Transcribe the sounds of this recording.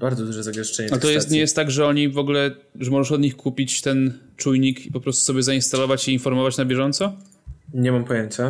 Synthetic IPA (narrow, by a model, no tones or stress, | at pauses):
baɾd̪zɔd̪uʐɛzaɡɛʂt͡ʂɛɲɛalt̪ɔjɛst̪ɲɛjɛst̪ːaɡʐɛɔɲivɔɡlɛ | ʐɛmɔʐɛʂɔd̪ɲixkʰupʲit͡ɕt̪ɛnt͡ʂujɲikipɔpɾɔst̪u̥sɔbʲjɛzainst̪alɔvat͡ɕiːnfɔɾmɔvat͡ɕnabʲjɛʐɔnt̪sɔ | ɲɛmampɔjeɲt͡ɕa